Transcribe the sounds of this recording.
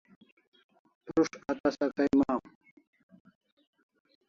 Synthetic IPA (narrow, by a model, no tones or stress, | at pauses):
pɾuʂɐt̪ɐsɐkɐjmaːm